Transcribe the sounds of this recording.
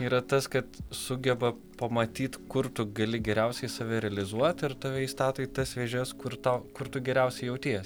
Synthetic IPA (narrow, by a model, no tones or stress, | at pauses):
iːɾɐt̪ɐskɐt̪sʊɡʲɛbɐ | pɐmɐt̪ʲiːt̪kʊɾt̪ʊɡɐlʲɪɡʲɛɾʲɛʊsʲɛɪsɐʋʲɛɾʲɛɐlʲɪzuɔt̪ɪɾt̪ɑːʋʲɛiːst̪ɑːt̪oːɪt̪ɐsʋʲeːʒʲɛskʊɾt̪ɐʊkʊɾt̪ʊɡʲɛɾʲɛʊsʲɛɪjɛʊt̪ʲeːjs